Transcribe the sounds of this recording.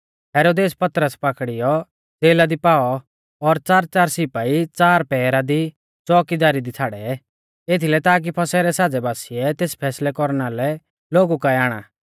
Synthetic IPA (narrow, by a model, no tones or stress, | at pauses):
ɦɛːɾoːd̪eːspɐt̪ɾəspakɽɪjɔ | d͡zeːlad̪ipaːɔ | ɔɾt͡saːɾt͡saːɾsɪpait͡saːɾpɛːɾad̪i | t͡sɔːkid̪aːɾid̪it͡sʰaːɽɛ | et̪ʰilɛt̪aːk̬ipʰɐsɛɾɛsaːd͡zɛbaːsiɛt̪eːspʰɛːslɛkɔɾnalɛ | loːɡukaaːɽ̃a̰ː